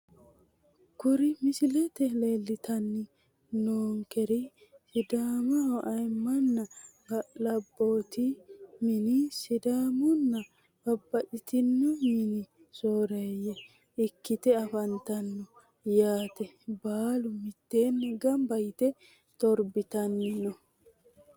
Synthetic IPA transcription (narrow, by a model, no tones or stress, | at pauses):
kʊɾɪmɪsɪlɛt̪ɛleːlːɪt̪ɐnːɪ | noːŋkɛɾɪ | sɪd̪aːmɐwʔɐjmːɐnːɐblɐbːoːt̪ɪmɪnɪsɪd̪aːmʊnːɐ | b̥ɐbːɐʔɪt̪ɪnːɔmɪnɪ | soːɾɐjɛ | ɪkːɪt̪ɛɐfɐnt̪ɐnːɔ | jaːt̪ɛbaːlʊmɪt̪ːe̞ːnːɛɡɐmbɐjɪt̪ɛ | t̪ɔɾbɪt̪ɐnːɪnɔ